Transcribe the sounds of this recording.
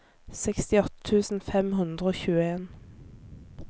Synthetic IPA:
sɛkst̪ɪɔt̪ət̪ʰʉːsn̩fɛmhʉnd̪ʁəoːçʉːəeːn

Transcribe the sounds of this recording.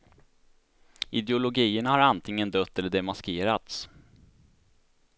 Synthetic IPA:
ɪd̪ɛʊlʊɡiːəɳahaɾant̪ʰɪŋːənd̪œt̪ːɛlːəɖɛmaskeːɾat̪s

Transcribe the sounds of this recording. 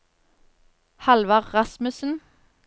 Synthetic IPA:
hɑlʋɑʁʁɑsmʉsn̩

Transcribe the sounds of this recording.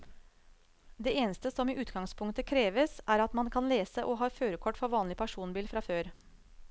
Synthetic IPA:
d̪eːeːnəst̪əsɔmiːʔʉːt̪ɡɑŋspʰʊŋkt̪əkʰɾeːʋəsʔæːɾɑt̪mɑnkʰɑnleːsəʔɔɦɑːføːɾəkʰɔʈːfɔɾʋɑːnlɪpʰæʂuːnbiːlfɾɑføːɾ

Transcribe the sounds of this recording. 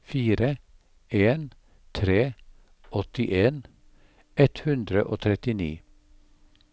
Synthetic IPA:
fiːɾə | eːn | t̪ʰɾeː | ʔɔt̪ɪʔeːn | ɛt̪hʉnd̪ɾəʔoːt̪ʰɾɛt̪ɪnḭː

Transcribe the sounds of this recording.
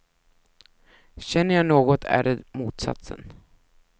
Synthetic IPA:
ɕɛnːəjɑnoːɡɔt̪ʰæ̰ːɾəd̪muːt̪sa̰t̪sə̰n

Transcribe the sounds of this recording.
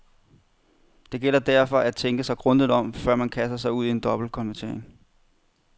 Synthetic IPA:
d̥e̝ɡ̥el̰ɐd̥æɐfɒ̽ʔæt͡sʰeŋɡ̥əsɑ̈ɪɡ̥ʁɔ̽nd̥iðˠɒ̽mfɶɐ̰mænkʰæsd̥ɐsɑ̈ɪuð̞̰ˠie̝nd̥ɒ̽b̥l̩kʰɒ̽nʋæɐt͡sʰe̝ɐ̰eŋ

